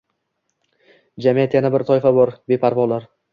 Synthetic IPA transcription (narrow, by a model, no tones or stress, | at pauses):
d͡ʒamijat̪janabɪɾt̪ʰɒɪfabɒɾbe̞pʰaɾbɒlaɾ